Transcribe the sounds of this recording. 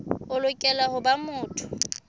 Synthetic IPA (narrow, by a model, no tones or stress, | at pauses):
ʊlʊkʼɛlahʊbamʊːtʰʊ̥